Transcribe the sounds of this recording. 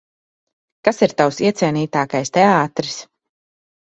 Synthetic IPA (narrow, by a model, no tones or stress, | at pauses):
kasiɾt̪awsiɛt̪sʲiɛniːt̪aːkajst̪ɛaːt̪ɾis